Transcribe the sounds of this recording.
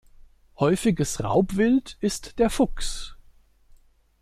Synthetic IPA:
hɔʏfɪɡəsʁa̰ʊpv̥ɪltɪstd̥eːɐfʊks

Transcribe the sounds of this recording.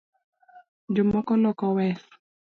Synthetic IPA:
d͡ʒʊmɔkɔlɔkɔwɛs

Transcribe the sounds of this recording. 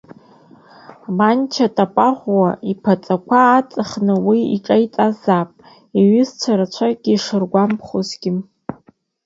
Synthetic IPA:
mant͡ʃʰatʼapʼaʁʷwaipʰat͡sʼakʷʰaːt͡sʼɨχnɨwiḭʈ͡ʂʼajt͡sʼazapʼ | iɥʏzt͡ʃʷʰaɾat͡ʃʷʰaɡʲiːʂɨrɡʷampʰχozɡʲɪ

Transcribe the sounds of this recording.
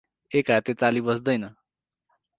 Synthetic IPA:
ekat̪et̪alibʌsd̪ʌjnʌ

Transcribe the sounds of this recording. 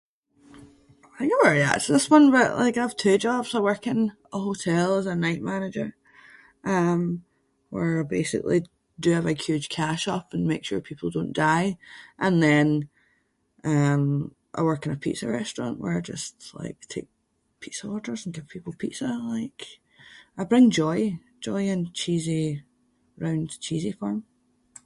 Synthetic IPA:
aɪɡowəɹða̰sðɪswʌ̃nbəʔlʔa̰ɪkaɪv̥tʰʉd͡ʒɔbz̥aɪwɜ˞kɪ̃n | əhotʰɛlˠɪzənaɪʔmanɪd͡ʒə˞ | ʔʌ̃m | wə˞besɪ̰klˠi | dəːvəhj̥ʉd̥ʒ̥kʰaʃʌpə̃nmekʃʉɹpʰipʰl̩ˠdõnd̥aɪʔə̃nðɛ̃n | ʔʌ̃m | ʔə̰wɜ˞kɪ̃ŋə̥pʰḭʔsə̰ɹɛstɹ̥ɔ̰̃nʔwə̰˞d͡ʒʌ̰stlˠa̰ɪk̚tʰḛk̚ | pʰisəwɔʔə˞z̃n̩ɡɪv̥pʰipl̩ˠpʰiʔsəlˠaɪk | aɪbɹɪ̃ŋd͡ʒɔɪ̥ | d͡ʒɔɪə̃nt͡ʃʰizi | ɹãʊ̃nt͡ʃʰizifɔɹm

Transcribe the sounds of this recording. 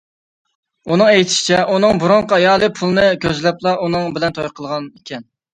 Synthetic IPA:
unɨŋɛjt̪ʰɪ̥ʃɪ̥t͡ʃʰɛʔunɨŋbuɾʊɴqʰɑɑjɑːlˠɨpʰulˠɨnɨkʲøzlɛplˠɑʔunɨŋbɪlɛnt̪ʰojqʰəlˠʁɑnekʲʰɛn

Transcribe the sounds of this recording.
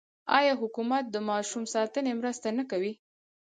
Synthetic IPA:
ɑjɑɦʊkumat̪̚d̪əmɑʃumsɑt̪ənemɾəst̪anəkawi

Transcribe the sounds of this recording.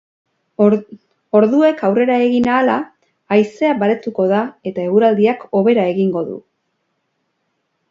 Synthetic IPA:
o̞ɾðue̞kawre̞ɾae̞ɣinaːlaː | jse̞aβaɾe̞t̪uko̞ðae̞t̪ae̞ɣuɾald̪iako̞βe̞ɾae̞ɣiŋɡo̞ðṵ

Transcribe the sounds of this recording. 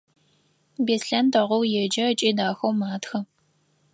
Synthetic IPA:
beːsɬantʰɐʁʷʊwjɛd͡ʒɐt͡ʃʼiːdaːxɐwmaːtxɐ

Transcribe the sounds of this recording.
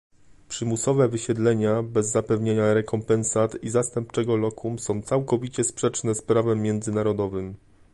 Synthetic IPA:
pʂɘmusɔvɛvɘɕɛd̪lɛɲabɛzːapɛvɲeɲaɾɛkɔmpɛnsat̪izast̪ɛmp̚t͡ʂɛɡɔlɔkʰusɔ̃w̃t̪sawkɔvʲit͡ɕɛspʂɛt͡ʂnɛspɾavɛmʲːjɛnd̪zɘnaɾɔd̪ɔvɘm

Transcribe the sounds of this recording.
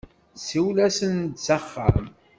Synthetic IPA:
siwlæsənd̪t͡sːəχːa̰m

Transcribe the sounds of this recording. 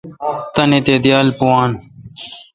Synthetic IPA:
t̪ɐnet̪eːd̪jaːlpuwaːn

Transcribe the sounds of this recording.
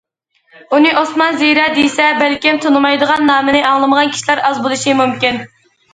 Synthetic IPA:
unɨʔosmɑnziɾɑd̪ejsɛbælkʲimt̪ʰonɨmɑjd̪əʁɑnːɑːmɨnɨʔɑŋlˠɨməʁɑnkʲi̥ʃilæɾɑzbolˠɨʃimumkʲin

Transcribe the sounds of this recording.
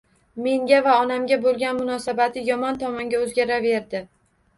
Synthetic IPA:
me̞ŋɡʲavaɒnamɡʲabolˠɡʲanmʊnɒsabat̪ʰɪjɒmɒnt̪ʰɒmɒŋɡʲaɵzɡʲaɾave̞ɾd̪ɪ

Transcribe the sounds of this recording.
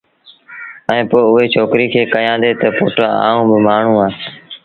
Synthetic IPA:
ɛẽːpoːʊɦeːt͡ʃʰoːkɾiːkʰeːkəjãːd̪eːt̪əpoːʈɾãːa̰ːũːbɪmaːɳ̤ũːaː

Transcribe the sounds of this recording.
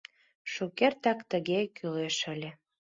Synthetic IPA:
ʃukert̪ækt̪ə̆ɣekʰyleʃə̆lʲe

